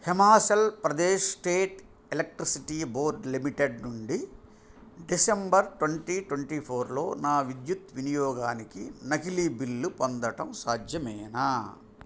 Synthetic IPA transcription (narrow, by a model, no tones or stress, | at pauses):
hemaːsɐlpɾɐd̪eːʂsʈeːʈ | elek̚ʈɾisiʈiːboːɾɖlimiʈeɖnuɳɖi | ɖisembɐɾʈʋɐɳʈiːʈʋɐɳʈiːpʰoːɾlo̞̰ːnaːʋid̪jut̪ʋinijɔːɡaːnikinɐkilibilːupond̪ɐʈɐmsaːd̪jɐmɛːnaː